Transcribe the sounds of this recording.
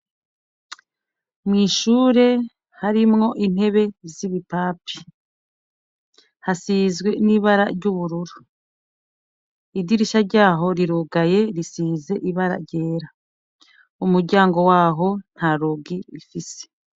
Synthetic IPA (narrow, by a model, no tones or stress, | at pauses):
mŋiːʃuːɾe̞ | haɾimŋo̞ʔin̥he̞βe̞ziβipaːpi̥ | hasizɡwe̞niβaɾa̰ɾɟuβuɾuɾu | idiɾiʃaɾɟaːɦo̞ɾiɾuɡaje̞ɾisiːze̞ʔiβaɾa̰ɾɟe̞ːɾa | umuɾɟaːŋɡo̞waːɦo̞n̥haɾoɡiɾifise̥